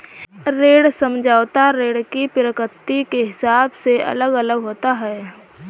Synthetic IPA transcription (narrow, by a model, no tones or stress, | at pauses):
ɾeːɽsəmd͡ʒʱaːt̪aɾeːɽkipɪɾəkət̪ːikeɦɪsaːbseɐ̰ləɡələɡɦoːt̪aɦɛː